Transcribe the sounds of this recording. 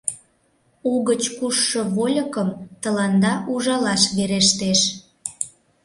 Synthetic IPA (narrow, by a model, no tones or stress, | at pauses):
uɣət͡ɕkuʃːə̆βolʲə̆kəmt̪ə̆lɑnd̪ɑuʒɑlɑʃβeɾeʃt̪eʃ